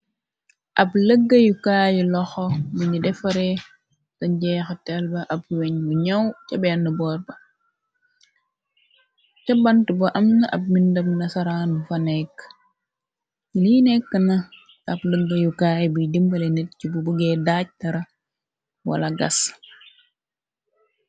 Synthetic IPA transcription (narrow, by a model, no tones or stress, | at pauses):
ʔɐpləɡːɐjukaːjulɔxɔbiɲidɛfɐɾɛ | sɐɟɛːxətɛlbɐʔɐp̚weɲbuɲɐwcɐbɛnːəbɔːɾbɐ | cɐbɐntubɐʔɐmnɐʔɐb̚mindɐmnɐsɐɾaːnufɐnɛkː | liːnɛkːənɐ | ɐpləɡːɐjukaːjbudimbɐlenɛt̚cibubuɡɛːdac̚tɐɾɐ | wɐ̰lɐɡɐ̰s